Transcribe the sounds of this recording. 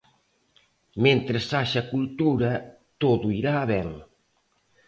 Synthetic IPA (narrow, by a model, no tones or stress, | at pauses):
mẽnt̪ɾesːaʃɐkult̪uɾɐ | t̪oðuiɾaːβɛŋ